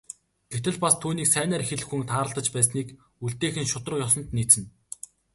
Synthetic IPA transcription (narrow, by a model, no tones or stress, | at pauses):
ɡ̥et̪ɘ̆ɮpast̪ʰuːniːksæːnæːrxeɮɘ̆xuŋt̪ʰaːɾə̆ɮt̪ə̆t͡ɕpæːsniːk | uɮt̪eːxɘ̆nʃʊt̪rə̆qjɔsɞ̆nt̪niːt͡sɘ̆n